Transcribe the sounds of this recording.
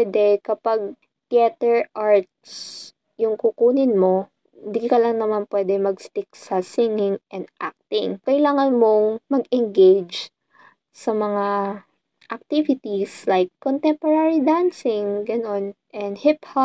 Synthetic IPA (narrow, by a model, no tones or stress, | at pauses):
wɛd̪ɛkɐpaɡ̚ | t̪iɛt̪ɛɹʔaɹt̪̚s | jʊŋkukuːnɪnmo̞ | ɪnd̪ikɐlɐŋnɐmanpwɛːd̪ɛmɐɡst̪ɪk̚sɐsɪŋɪŋʔɛnd̪ʔa̰k̚t̪ɪŋkɐʔɪlaːŋɐnmo̞ŋmɐɡɛŋɡejd͡ʒ | sɐmɐŋa | ʔɐk̚t̪ivɪt̪islajkːont̪ɛmpoɾaɹid̪ansɪŋɡɐno̞nʔɛnd̪hɪpha